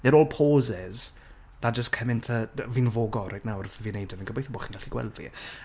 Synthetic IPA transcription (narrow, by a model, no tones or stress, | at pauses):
ðɛɾoːlˠpʰoːzɪz̥ | ðad͡ʒəskʰəmɪntʰəvinvoːɡɔrajtnawɾθəvinejdəmənɡəbejθəboːχinɡaɬiɡwɛ̰lˠdvḭ